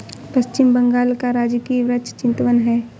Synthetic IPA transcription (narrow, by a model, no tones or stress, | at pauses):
pɐʃt͡ʃɪmbə̃ŋɡaːlkaɾaːd͡ʒkiʋɾətt͡ʃt͡ʃɪ̃nt̪ʋənɦɛː